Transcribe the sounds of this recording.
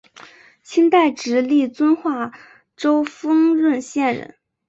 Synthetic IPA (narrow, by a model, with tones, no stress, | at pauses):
t͡ɕʰi˥nt̪a˥˩ɪʈ͡ʂɻ̩˧˥li˥˩t͡swə˥nxwa˥˩ | ʈ͡ʂo˥ʊfɤ˥ŋɻə˥˧nɕjɛ˥˩nɻə̰˧˩˦n